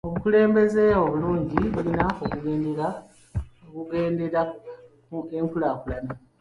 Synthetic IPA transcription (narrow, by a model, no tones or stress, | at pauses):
o̞βukule̞ːmbe̞ze̞oβuluːɲɟiβulinaokuɡe̞ːndeɾa | okuɡe̞ːndeɾa | eŋkulaːkulana